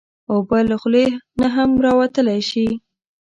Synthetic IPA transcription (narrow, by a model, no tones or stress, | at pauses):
obələxlenaɦamɾɑwat̪əlajʃi